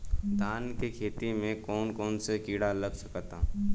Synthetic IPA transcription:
d̪ʱaːnkekʰeːt̪imẽkɔːnkɔːnsekiːɽaləbsəkət̪aː

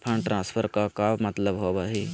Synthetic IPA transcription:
pʰɐ̃ɳʈɾãːspʰəɾkakaːmɐt̪ləbɦoːbaɦi

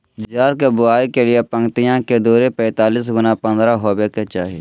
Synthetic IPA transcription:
d͡ʒd͡ʒaːɾkebʊaːikelɪepə̃ŋɡt̪ɪjãked̪uːɾepɛ̃ːt̪aːliːs̬ɡʊnapɐ̃nd̪ɾaɦoːbeket͡ʃa̰ːɦe

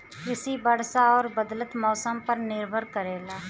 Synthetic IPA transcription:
ɪsibɐɽ̤saɔːɾbəd̪lət̪mɔːsəmpɐɾnɪɾbʱəɾkəɾeːlaː

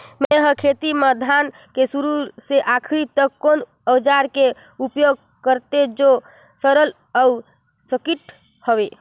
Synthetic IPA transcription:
meɦə̃kʰet̪iməd̪ʱan | kesuɾuseʔakʰɾit̪əkːon | əd͡ʒaɾke | upjoɡ̚ | kəɾt̪ed͡ʒo | səɾəl | əu | səkiʈ | həbe

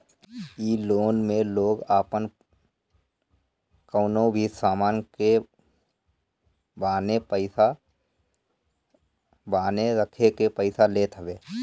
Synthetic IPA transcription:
iːloːnmẽloːɡaːpən | kəːnõbʱisaːmaːnke | baːnepəɪsa | baːneɾəkʰekepəɪsaleːt̪ʰəbeː

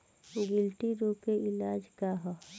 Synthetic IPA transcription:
ʊɡɪlʈiɾokeʔɪlaːd͡ʒkaɦo

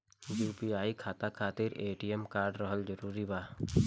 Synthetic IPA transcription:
juːpiaːikʰaːt̪akʰaːt̪ɪɾeːʈijəmkaːɾɖɾəɦəld͡ʒəɾuːɾibaː

